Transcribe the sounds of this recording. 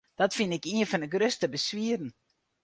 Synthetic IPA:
d̥ɔtfɪnɪkiənfɔnəɡrøstəbəsʋiərn̩

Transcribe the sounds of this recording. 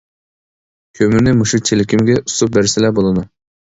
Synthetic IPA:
kʲʰømɪnɪmuʃut͡ʃʰelɪkʲimɡʲɛʔust̪up̚bæɾsɪlɛbolˠɨd̪u

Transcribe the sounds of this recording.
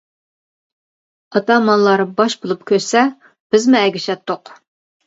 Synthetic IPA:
ɑt̪ɑmɑnlˠɑɾɨbɑʃbolˠup̚kʲʰøɾsɛ | b̥ɪzmuɛɡʲiʃɛt̪ːʊq

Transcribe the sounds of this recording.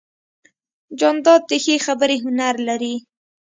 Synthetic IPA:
d͡ʒɑnd̪ɑd̪̚d̪əxexabəɾeɦʊnaɾlaɾi

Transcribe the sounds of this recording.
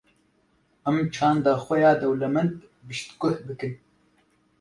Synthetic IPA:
ɛmt͡ʃʰɑːnd̪aːxʷɛjaːd̪ɛwlɛmɛnd̪ | bɨʃt̪kʊhbɨkɨn

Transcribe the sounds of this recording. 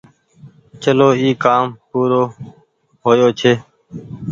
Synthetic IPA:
t͡ʃəloːiːkaːmpuːɾoː | ɦoːjoːt͡ʃʰeː

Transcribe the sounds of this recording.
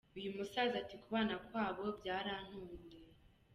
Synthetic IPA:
ujumusaːzatikuβaːnakwaːβo̞bjaːɾan̥huːɲɡe

